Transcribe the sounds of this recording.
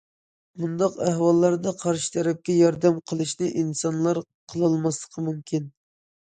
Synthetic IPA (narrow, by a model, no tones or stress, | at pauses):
mund̪ɑqæhwɑlˠːɑɾd̪ɑqʰɑɾʃi̥t̪ʰɛɾɛp̚kʲɛjɑɾd̪ɛmqʰəlˠɨʃnɨʔinsɑnlˠɑɾ | qʰəlˠɨlˠmɑslˠəqʰəmumkʲin